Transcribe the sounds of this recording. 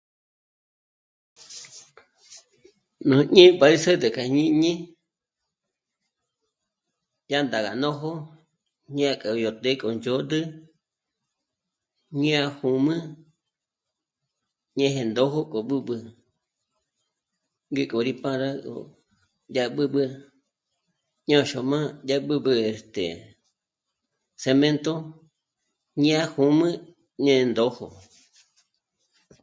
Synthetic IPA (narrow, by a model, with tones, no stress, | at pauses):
nõ˨ɲĩ˦pa˧i˦sə˦d̪ə˨kʰa˨ɲĩ˦ɲĩ˦ | ja˦nd̪a˨ɣa̰˨nõ˦ɦo˦ | ɲĩ˦a˧kʼa˨˧jo˨t̪e˦kʼo˨nd͡ʒo˦d̪ɨ˦ | ɲĩ˦a˧hũ˨mɨ̃˦ | ɲẽ˧ɦẽ˧nd̪o˦ɦo˦kʼo˨ɓɨ˦ɓɨ˧ | ŋɡe˧kʼo˨ɾi˦pã˦ɾa˦kʼo̰˨ | ja˦ɓɨ˦ɓɨ˧ | ɲã˦˨ʃo˧mã˦ja˦ɓɨ˦ɓɨ˧e˨st̪ḛ˨ | se˧mẽ˦nt̪o˦ | ɲĩ˦a˦˧hu˧mɨ̃˦ | ɲẽ˦˧nd̪o˦ho̰˨